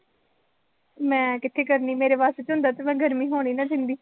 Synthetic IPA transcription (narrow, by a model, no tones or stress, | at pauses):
mɛ̃ːkɪt̪ʰːeːkəɾniːmeːɾeːpaːseːt͡ʃɦʊ̃nd̪aːt̪eːmɛ̃ːɡʱəɾmiːɦoːɽ̃iːnaːd̪ɪnd̪iː